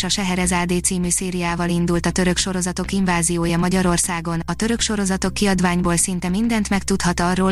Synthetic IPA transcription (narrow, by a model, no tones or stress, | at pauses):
ʃɒʃɛɦɛɾɛzaːd̪eːt̪siːmyːseːɾijaːvɒlind̪ult̪ɒt̪ø̞ɾø̞kʃo̞ɾo̞zɒt̪o̞kiɱvaːzijoːjɒmɒɟɒɾo̞rsaːɡo̞nɒt̪ø̞ɾø̞kʃo̞ɾo̞zɒt̪o̞kːiɒd̪ʋaːɲboːlsint̪ɛmind̪ɛnt̪mɛkt̪ut̪hɒt̪ɒrːoː